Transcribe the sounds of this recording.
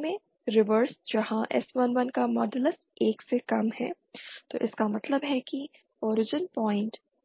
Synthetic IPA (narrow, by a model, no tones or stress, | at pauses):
mẽ | ɾɪʋəɾsd͡ʒɐɦãʔɛ̰smənʋɐnkamɔːɖələs | eːksekɐmhɛ̰ː | t̪o̰ːʔɪskamɐt̪ləbɦɛki | ɔːɾɪd͡ʒənpɔːɪ̃ɳʈ